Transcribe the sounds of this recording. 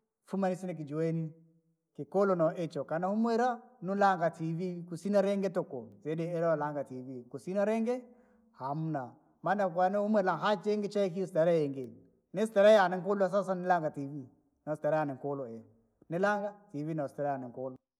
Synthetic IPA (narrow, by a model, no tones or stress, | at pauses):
fumanisinɛk̬id͡ʒueni | kikɔlɔnɔʔɛt͡ʃɔkanahumwɛɾanulaŋɡativikusinaɾɛŋɡɛtɔkɔzɛdɛɛɾaalaŋɡativikusinaɾɛŋɡɛ | hamuna | manak̬wanɛhumɛlaɦat͡ʃɛŋɡɛt͡ʃakiustaɾajɛŋɡel | nɛstɛɾajanɛŋkolɔas̬as̬anilaŋɡativi | nastaɾajaniŋkolɔɛ | nilaŋɡativinastɛɾajaniŋkɔlɔ